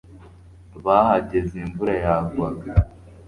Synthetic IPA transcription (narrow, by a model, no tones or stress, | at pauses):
βahaɟe̞zimvuɾajaːɡwaɡ